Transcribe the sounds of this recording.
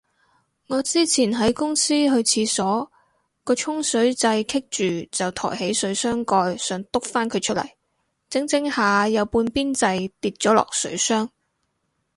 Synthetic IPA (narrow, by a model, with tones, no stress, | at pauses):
ŋɔː˨˧t͡siː˥t͡sʰiː˨˩nɦɐ˨˥jkʊ˥ŋsiː˥ɦɵ˧ɥt͡sʰiː˧sɔː˨˥ | kɔː˧t͡ʃʰʊ˥ŋsɵ˨˥ɥt͡sɐ˧jkʰɪ˥k̚t͡ʃyː˨t͡sɐ˨wt̪ʰɔ̰ː˨˩jhe˨˥jsɵ˨˥ɥsœː˥ŋkɔː˧jsœː˨˧ŋt̪ʊ˥k̚faː˥nkʰɵ˨˧ɥt͡ʃʰɵ˥t̚lɐ̰˨˩j | t͡sɪ˨˥ŋt͡sɪ˥ŋhaː˨˧jɐ˨˧wpuː˧npiː˥nt͡sɐ˧jt̪iː˧t̚t͡ʃɔː˨˥lɔ̰ː˨k̚sɵ̰˨˥ɥsœː˥ŋ